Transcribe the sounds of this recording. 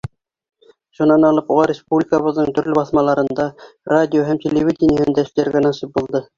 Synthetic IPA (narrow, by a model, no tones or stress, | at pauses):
ʃunɑnɑlˠɤpuʁɑɾʲespublʲikəβɤ̆ðnɤɴt̪ɵ̆ɾlɘbɑθmɑlˠɑɾɤ̆nd̪ɑrad̪ʲijoɦæmt̪ʲʰelʲevʲidʲɪnʲjihɘnd̪æʃ̆læɾɡʲænɑʃɤp̚bulˠd̪ɤ